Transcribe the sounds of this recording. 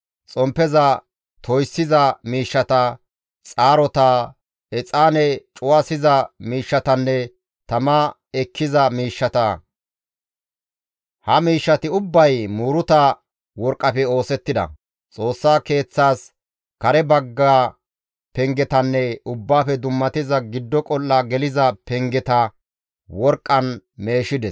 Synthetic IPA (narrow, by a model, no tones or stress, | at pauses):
t͡sʼɔmpːɛzɐ | t̪ʰɔjsːɪzɐmiːʃːɐt̪ɐ | t͡sʼaːɾɔt̪a | ɛt͡sʼaːnɛt͡ʃʼʊwaːsɪzɐmiːʃːɐt̪ɐnːɛ | t̪ɐmɐ | ɛkːɪzɐmiːʃːɐt̪ɐ | hɐmiːʃːɐt̪ɪʊbːɐjmuːɾʊt̪ɐ | wɔɾkʼːɐfɛo̞ːsɛt̪ːɪd̪ɐ̰ | t͡sʼo̞ːsːaːke̞ːt͡sːaːs | kɐɾɛbɐɡːaː | pɛŋɡɛt̪ɐnːɛʊbːaːfɛd̪ʊmːɐt̪ɪzɐɡɪd̪ːɔkʼɔlːaɡɛlɪzɐpɛŋɡɛt̪ɐ | wɔɾkʼːɐnme̞ːʃɪd̪ɛs